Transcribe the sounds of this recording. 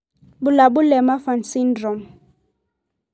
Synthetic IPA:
bu˨la˨bu˦lɛ˨ma˦fa˨nsi˦ndɾɔ˨m

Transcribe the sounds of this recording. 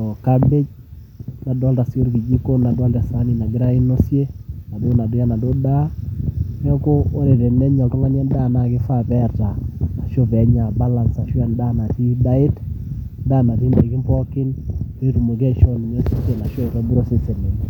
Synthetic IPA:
ɔ˨ka˦be˦d͡ʒ | na˨dɔ˦lta˨so˦ɾki˨d͡ʒi˦ko˦na˨da˦lta˨sa˦ni˨na˨ɡɪ˦ɾa˦i˦no˦sje˦na˨do˦na˨dʊ˦ja˦na˨do˦da˦kɔ˦ko˦o˦ɾe˨de˨nɛ˦ɲɔ˨ltɔ˦ŋa˦n˦a˦nda˦˨na˨kɪ˦fa˦pɛ˦ɾtaː˨ʃo˦pɛ˨˦ɲa˨ba˦la˨nsa˨ʃwɛ˦nda˦˨na˨ti˦da˦ɪ˦tda˦˨na˨t̬i˦nde˨kɪ˦mpɔ˦kɪ˦ne˦tu˨mo˨k̬ɛ˦ʃɔ˦ni˨ɲe˦so˦te˨na˨ʃɔ˦i˨ɾɔ˦bu˦ɾo˦se˦se˨ne˨

